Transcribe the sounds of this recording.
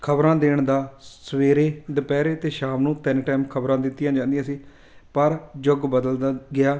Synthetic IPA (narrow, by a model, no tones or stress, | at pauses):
kʰəbɾãːd̪eːɳd̪aːsəʋeːɾeːd̪əpɛːɾeːt̪eːʃaːmnũːt̪ɛnʈɛːmkʰəbɾãːd̪ɪt̪ːɪjãːd͡ʒãːnd̪ɪjãːsiː | pəɾd͡ʒʊɡbəd̪əld̪aɡɪaː